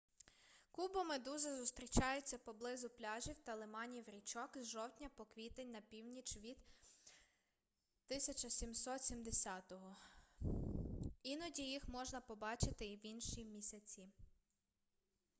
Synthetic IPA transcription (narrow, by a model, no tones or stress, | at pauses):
kubɔmɪd̪uzɛzʊst̪ɾʲit͡ʃɑjʊt͡sʲːɐpɔblˠɪzʊplʲɑʒʲiwt̪ɐlˠɪmɑnʲiwɾʲit͡ʃɔkzʒɔwt̪ʲnʲɐpɔkʋʲit̪enʲnɐpʲiwnʲit͡ʃʋʲid̪ | t̪ɪsʲɐt͡ʃɐsʲimsɔt̪sʲimd̪esʲɑt̪ɔɦɔ | inɔdʲijixmɔʒnɐpɔbɑt͡ʃɪt̪ɪiwinʃimʲisʲɐt͡sʲi